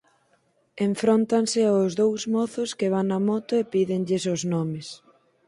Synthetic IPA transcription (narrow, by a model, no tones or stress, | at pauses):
eɱfɾont̪ansɪaʊzðowzmɔθʊskɪβ̞aŋːɐmɔt̪ʊepiðeŋʎɪsʊznɔmɪs